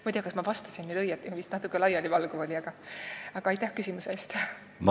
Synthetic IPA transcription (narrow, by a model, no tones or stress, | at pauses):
mɑt̪ʲejɑkɑsmɑvɑst̪ɑ̥sinːyd̪ɤjɑt̪ːˑimɑvist̪nɑt̪ukːˑelɑjɑlʲivɑlɡ̥uolʲiɑɡ̥ɑɑɡ̥ɑɑjt̪ːˑæhkysimuse̞ːst̪ | m